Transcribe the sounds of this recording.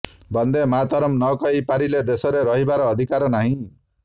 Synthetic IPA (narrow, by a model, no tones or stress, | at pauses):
bɔnd̪emat̪ɔɾɔmnɔkɔɦipaɾiled̪esɔɾeɾɔɦibaɾɔːd̪ʱikaɾɔnaɦĩ